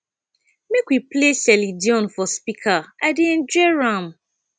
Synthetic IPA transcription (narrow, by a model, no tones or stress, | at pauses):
mekwiplesɛlidiɔ̃nfɔspikʰaaɪdeɛ̃nd͡ʒɔɹãm